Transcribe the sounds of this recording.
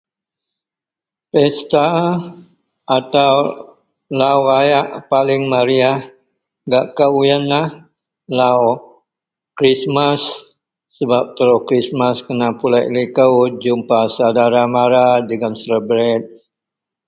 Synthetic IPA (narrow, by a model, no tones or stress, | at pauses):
pɛst̪a | ʔat̪aw | lawajaʔpalɪŋmaɾiah | ɡaʔkəwujənlah | law | kɾismasː | əbap̚t̪əɾokɾismaskənapulaʔlikəwd͡ʒumpasadaɾamaɾadəɡansələbɾɛt̪̚